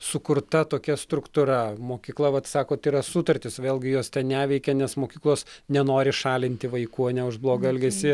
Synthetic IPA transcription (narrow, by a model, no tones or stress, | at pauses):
sʊkʊɾt̪ɐt̪oːkʲɛst̪ɾʊkt̪ʊɾɐmoːkʲiːklˠɐʋɐt̪sɑːkoːt̪iɾɐsʊt̪ɐrʲt̪ʲɪsʋʲeːlʲˠɡʲɪjoɔst̪ʲɛnnʲæːʋʲɛɪkʲɛnʲɛsmoːkʲiːklˠoːsnʲɛnoːɾʲɪʃɑːlʲɪnʲt̪ʲɪʋɐɪkuːɐnʲɛʊʒblˠoːɡɐɛlʲɡʲɛsʲɪ